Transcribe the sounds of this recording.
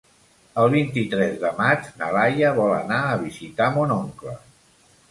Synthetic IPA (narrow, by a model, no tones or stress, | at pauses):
əlˠβ̞int̪it̪ɾɛzðəmad͡ʒnəlajəβɔlə̰naəβizit̪amonoŋklə